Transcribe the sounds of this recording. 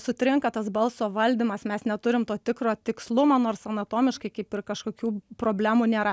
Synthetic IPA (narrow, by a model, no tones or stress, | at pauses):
sʊt̪ʲɾʲɪŋkɐt̪ɐsbɐlˠsoːʋɐlʲd̪ʲimɐsmʲɛsnʲɛt̪ʊɾʲɪmt̪oːt̪ʲɪkɾoːt̪ʲɪkslˠʊmoːnoːrsɐnɐt̪oːmʲɪʃkɐɪkɐɪpɪrkɐʃkoːkʲuːpɾoːbʲlʲæːmuːnʲeːɾɐ